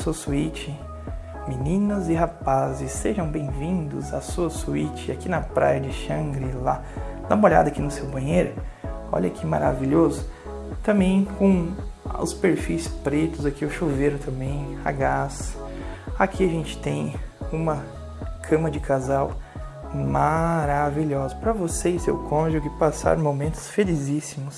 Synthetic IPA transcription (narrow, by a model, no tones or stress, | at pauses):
suɐsuit͡ʃɪ | minĩnɐzɪɦapazɪsːeʒɐ̃w̃bẽj̃vĩnd̪ʊzasuɐsuit͡ʃɪakinɐpɾa̰jɐd͡ʒɪʃɐ̃ɡɾɪla | lɐ̃moʎa̰d̪ɐakinʊsewbɐ̃j̃ejɾʊɔ̰ʎɐkʰimaɾa̰viʎozʊ | t̪ɐ̃bẽj̃kõʊ̰speɾfijspɾet̪ʊzakiʊʃuveɾʊt̪ɐ̃mbẽj̃haɡasɐ̥akʰiɐʒẽnt͡ʃɪ̥t̪ẽj̃ũmɐ | kʰɐ̃mɐd͡ʒɪkʰazaw | maɾaviʎɔzʊpɾɐvosesḛwkʰõʒʊɡɪpasa̰ɾmomẽnt̪ʊ̥sfelizisimʊs